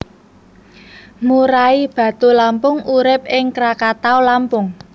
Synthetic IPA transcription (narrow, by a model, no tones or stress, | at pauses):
muɾaib̥ä̤t̪ulampʊŋuɾɪp̚ɪŋkɾakat̪aolampʊŋ